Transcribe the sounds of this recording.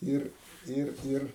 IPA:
ˈɪr ˈɪr ˈɪr

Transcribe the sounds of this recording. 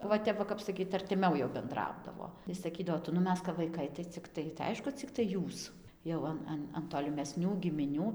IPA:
ʋɐ ˈtʲɛp ʋɐ ˈkɐp sɐˈkʲiːt ɐrʲtʲɪˈmʲɛʊ jɛʊ bʲɛnˈdrɐʊdɐʋoː tɐɪ sɐˈkʲiːdɐʋoː ˈtʊ nʊ ˈmʲɛs kɐp ʋɐɪˈkɐɪ tɐɪ t͡sʲɪkˈtɐɪ tɐɪ ˈɐɪʃkʊ t͡sʲɪkˈtɐɪ ˈjuːs jɛʊ ˈɐn ˈɐn ɐn toːlʲɪmʲɛˈsʲnʲuː ɡʲɪmʲɪˈnʲuː

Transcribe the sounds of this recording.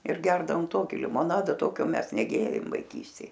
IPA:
ɪr ˈɡʲɛrdɐʋoːm ˈtoːkʲɪ lʲɪmoːˈnɑːdɐ ˈtoːkʲoː ˈmʲɛs nʲɛˈɡʲeːrʲeːm ʋɐɪˈkʲiːsʲtʲeːj

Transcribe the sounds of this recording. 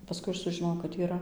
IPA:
pɐˈskʊɪ ˈɐʃ sʊʒʲɪˈnoːjɛʊ kɐt iːˈrɐ

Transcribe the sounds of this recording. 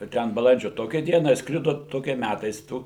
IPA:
ʋɐ ˈtʲɛn bɐˈlˠɐnʲd͡ʒʲoː ˈtoːkʲæː ˈdʲiɛnɑː ɪʃˈskrʲɪdoː ˈtoːkʲɛ ˈmʲætɐɪs ˈtuː

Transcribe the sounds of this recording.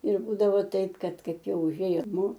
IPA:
ɪr ˈbuːdɐʋoː ˈtɐɪp ˈkɐt ˈkɐɪp ˈjɛʊ ʊˈʒʲeːjoː ˈnʊ

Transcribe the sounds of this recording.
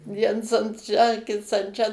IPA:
ˈʋʲiɛns ɐn ˈʃʲæː ˈkʲɪts ɐn ˈt͡ʃʲɛ

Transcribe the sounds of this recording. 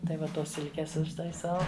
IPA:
tɐɪ ˈʋɐ ˈtoːs ˈsʲɪlʲkʲeːs ʊʃtɐɪˈsɐʊ

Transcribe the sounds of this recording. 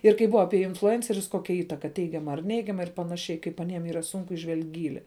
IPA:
ɪr kɐɪ ˈbʊʋɐ ˈɑːpʲiɛ ɪnflˠʊˈɛnʲt͡sʲɛrʲʊs ˈkoːkʲɛ ˈiːtɐkɐ ˈtʲɛɪɡʲɛmɐ ɐr ˈnʲɛɪɡʲɛmɐ ɪr pɐnɐˈʃʲɛɪ kɐɪp ɐˈnʲiɛm ˈiːrɐ ˈsʊn ɪˈʒʲʋʲɛlʲkʲ ˈɡʲiːlʲɪ

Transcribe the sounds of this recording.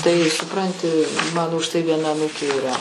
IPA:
tɐɪ sʊˈprɐnʲtʲɪ ˈmɑːnoː ʊʃ tɐɪ ʋʲiɛˈnɐ ɐˈnuːkʲeː iːˈrɐ

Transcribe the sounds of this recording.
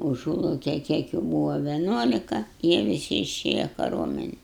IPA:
ʊˈʒuːlˠɐʊkʲɛj ˈkʲiɛk juː ˈbuːʋɐ ʋʲɛˈnuɔlʲɪkɐ ˈjiɛ ʋʲɪˈsʲɪ ɪˈʃʲeːjɛ kɐˈruɔmʲɛnʲɛn

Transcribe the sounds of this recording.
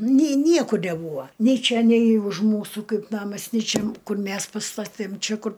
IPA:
nʲɪ ˈnʲiɛkʊr nʲɛˈbuːʋoː nʲɛɪ ˈt͡ʃʲɛ nʲɛɪ ʊʃ ˈmuːsuː ˈkɐɪp ˈnɑːmɐs nʲɪ ˈt͡ʃʲɛ ˈkʊr ˈmʲɛs pɐˈstɑːtʲeːm ˈt͡ʃʲɛ ˈkʊr

